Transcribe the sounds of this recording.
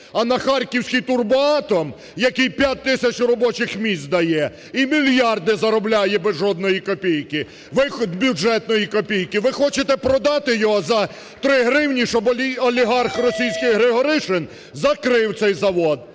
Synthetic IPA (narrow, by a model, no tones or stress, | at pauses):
ɐnɐxɑrʲkʲiwsʲkʲijt̪ʊrbʊɑt̪ɔm | jɐkijpʲjat̪̚ʲt̪ɪsʲɐt͡ʃrɔbɔt͡ʃɪxmʲisʲt̪d̪ɐjɛ | imʲilʲjɑrd̪ɪzɐɾɔblʲajɛbɛzʒɔd̪̚nɔjikɔpʲijkɪ | ʋɪxɔd̪bʲud͡ʒɛt̪nɔjikɔpʲijkɪʋɪxɔt͡ʃet̪ɛpɾɔd̪ɑt̪ɪjɔɦɔzɐ | t̪ɾɪɦɾɪwnʲiʃɔbʲɔlʲiɦɑrxrɔsʲijsʲkɪɣɦɾɪɦɔɾɪʃɪn | zɐkɾɪwt̪sɛjzɐʋɔd̪